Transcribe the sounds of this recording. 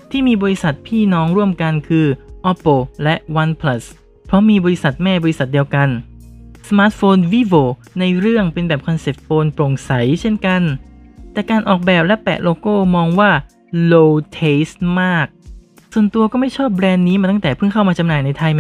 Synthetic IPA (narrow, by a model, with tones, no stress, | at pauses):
t̪ʰiː˥˩miː˧bɔː˧ɾi˦˥sa˨˩t̪̚pʰiː˥˩nɔː˦˥ŋɾu˥˩əmka˧nkʰɯː˧ʔɔ˦˥po˧lɛ˦˥ʔwa˧npʰla˦˥s | pʰɾɔ˦˥miː˧bɔː˧ɾi˦˥sa˨˩t̪̚mɛː˥˩bɔː˧ɾi˦sa˨˩t̪̚di˧əwka˧n | sa˧maː˦˥t̪̚foː˧nwi˦˥woː˧˩ | na˧jɾɯ˥˩əŋpe˧nbɛː˨˩p̚kʰa˧nse˨˩p̚foː˧npɾo˨˩ŋsa˩˦jt͡ɕʰe˥˩nka˧nt̪ɛː˨˩kaː˧nʔɔː˨˩k̚bɛː˨˩p̚lɛ˦˥pɛ̰ː˨˩loː˧koː˥˩mɔː˧ŋwaː˥˩ | loː˧t̪ʰeː˦˥smaː˥˩k̚ | su˨˩ənt̪u˧ɐkɔː˥˩ma˥˩jt͡ɕʰɔː˥˩p̚ːɾɛː˧nːiː˦˥maː˧t̪a˥˩t̪ɛː˨˩pʰɯ˥˩ŋkʰa˥˩wmaː˧t͡ɕa˧mnaː˨˩jna˧jt̪ʰa˧j